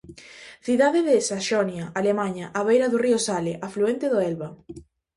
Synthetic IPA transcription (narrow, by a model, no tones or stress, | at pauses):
θiðaðeðesaʃɔnjɐalemaɲɐʔaβejɾɐðʊriosaleʔafluent̪eðoɛlβɐ